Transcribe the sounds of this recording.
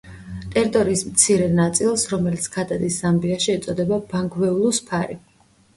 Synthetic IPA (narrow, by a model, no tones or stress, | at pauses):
t̪ʼɛɾt̪ʼɔɾiːsmt̪sʰiɾɛnat̪sʼilˠsɾɔmɛlit̪sʰɡʰad̪ad̪isːambiaʃiɛt̪sʼɔd̪ɛbabaŋɡʰwɛulˠuspʰaɾi